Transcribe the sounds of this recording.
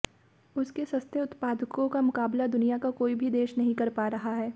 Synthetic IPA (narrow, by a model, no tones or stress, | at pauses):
ʊskesɐ̃st̪jəʊt̪paːd̪ʱkõkamʊkaːblad̪ʊnijakakoːibʱid̪eːʃnɐɦĩkɐɾpaːɾɐɦaɦɛː